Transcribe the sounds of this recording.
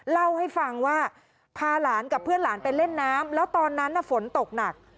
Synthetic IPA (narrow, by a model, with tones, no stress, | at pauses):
la˥˩wha˥˩jfa˧ŋwaː˥˩ | pʰaː˧laː˩˦nka˨˩pʰːɯ˥˩ənlaː˩˦npe˧nle˥˩nːaː˦˥mlɛː˦˥wt̪ɔː˧nːa˦˥nːa˧˩fo˩˦nt̪o˨˩k̚na˨˩k̚